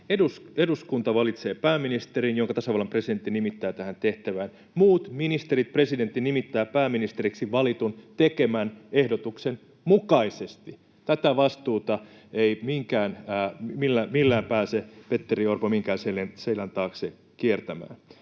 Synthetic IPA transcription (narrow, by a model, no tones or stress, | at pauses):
eduseduskunt̪ɑʋɑlit̪seːpæːmːinist̪eɾinjoŋkɑt̪æsɑʋɑlːɑmpreside̞nt̪ːinimit̪ːæːt̪æhænt̪eht̪æʋæːn | muːt̪minist̪eɾit̪̚president̪ːinimit̪ːæːpæːmːinist̪eɾiksiʋɑlit̪unt̪ekemænehdot̪uksen | mukɑisest̪i | t̪æt̪æʋɑst̪uːt̪ɑ | eimiŋkæːnːmilːæmilːæːmpæːsepet̪ːeriorpomiŋkæːnselenseilænt̪ɑːkse | kiert̪æmæ̰ːn